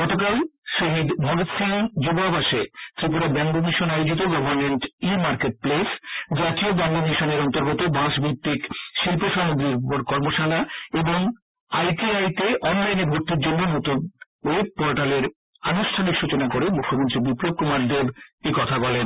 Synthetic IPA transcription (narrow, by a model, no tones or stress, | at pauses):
ɡɔt̪okalʃoɦid̪bʱɔɾot̪sind͡ʑobabaʃet̪ɾipuɾabɛŋɡomiʃonajod͡ʑit̪̬oɡɔbʱaɾmeɳʈimaɾkeʈ̚plesd͡ʑat̪iobaŋɡoniʃaneɾɔnt̪oɾɡot̪obãʃbʱipt̪ːikʃilpoʃamod̪ɾiɾkɔɾmoʃalaeboŋ | ajʈiajt̪eʔɔnlajneɾbʱoɾt̪iɾd͡ʑonːonot̪on | ep̚pɔɾʈaleɾ | anuʃʈʰanikʃut͡ɕonakoɾemukʰːomont̪ɾibiplob̚kumaɾd̪ebekɔt̪ʰabɔlen